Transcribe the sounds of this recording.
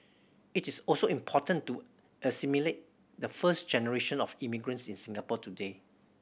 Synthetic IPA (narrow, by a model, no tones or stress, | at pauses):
itisɔlsoĩmpʰɔtə̃ntu | əsimilet̚ | dəfəsd͡ʒɛnəɹeʃə̃nɔfimiɡɹə̃nsĩnsĩŋɡapɔtude